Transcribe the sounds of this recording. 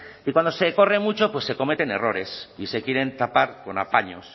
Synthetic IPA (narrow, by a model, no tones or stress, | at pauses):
ikwand̪ose̞ko̞re̞mut͡ʃo̞pwe̞sːe̞ko̞me̞t̪e̞ne̞̰ro̞ɾe̞sise̞kje̞ɾe̞nt̪apaɾko̞na̰paɲo̞s